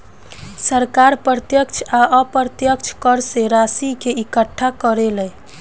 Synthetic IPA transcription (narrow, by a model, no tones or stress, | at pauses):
səɾkaɾpɾət̪jəkt͡ʃʰaʔəpɾət̪jəkt͡ʃʰkəɾseɾasikeikəʈʰːakəɾelɛj